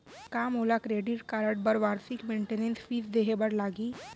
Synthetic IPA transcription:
kaːmoːlakɾeːɖiʈkaːɾəʈ̚bɐɾʋaːɾsɪkmẽːɳʈeːnẽnsfiːzd̪eːɦebɐɽlaːɡiː

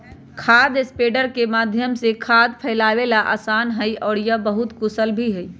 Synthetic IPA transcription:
kʰaːd̪ɪspeːɖəɾkemaːd̪ʱjəmsekʰaːd̪̚pʰɛɪlaːwelaʔa̰ːsaːnɦəiʔɔːɾjəbəɦʊt̪kʊsəlbʱiɦɛi

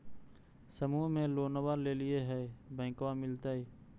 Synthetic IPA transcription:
səmuːɦmẽːloːnəʋaːɾleːlɪeːɦɛːbə̃ɪ̃kʋãːmɪlt̪aːɦeː

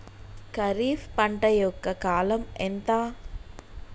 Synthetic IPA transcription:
kɐɾiːfpɐɳʈɐjɔkːɐkaːlɐment̪aː

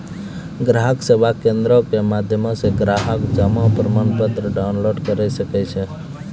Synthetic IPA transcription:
ɡɾaːɦəksebʱakẽːnd̪ɾõkemaːd̪ʱjəmõseɡɾaːɦəkd͡ʒəmãpɾəmaːnpət̪ɾəɖaːʊnloːɖkəɾasəkɛt͡ʃʰe

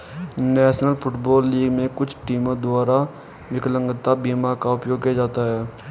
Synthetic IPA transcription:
nɛːʃnəlpʰʊʈbɔːlːiːɡmẽkʊt͡ʃʰʈiːmõd̪ʊaːɾa | ʋɪklə̃ŋɡət̪ːabiːmakaʊpjoːɡ̚kijd͡ʒaːt̪aɦɛː

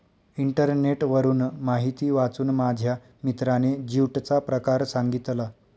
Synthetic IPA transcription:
iɳʈəɾneʈʋəɾuːnmaɦit̪iːʋat͡suːnmad͡ʑʱja | mit̪ɾaned͡ʑiwʈt͡sapɾəkaɾsaŋɡit̪la

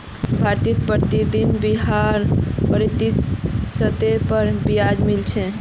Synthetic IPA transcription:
bʱaɾt̪it̪pɾəɾt̪id̪inbiɦaɾpəɾit̪isːət̪epəɾbijad͡ʒmilt͡ʃʰɛ

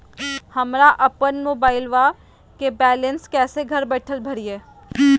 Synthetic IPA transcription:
hɐmɾaʔɐpənmoːbaːɪlʋa | kebɛːlə̃nskɛːseɡʱɐɾbɛːʈʰəlbʱɐɾieː

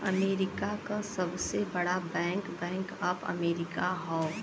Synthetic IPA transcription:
ɐ̰meːɾɪkakasɐbsebɐɽabɛ̃ːŋkbɛ̃ːŋkəpɐ̰meːɾɪkaɦɔ

